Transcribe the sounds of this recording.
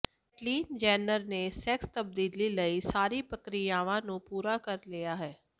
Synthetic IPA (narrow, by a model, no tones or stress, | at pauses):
ʈliːnd͡ʒɛːnəɾnesɛkst̪ɐb̚d̪iːliləisaːɾipəkɾɪjaːʋãnũpuːɾakəɾlijaɦɛː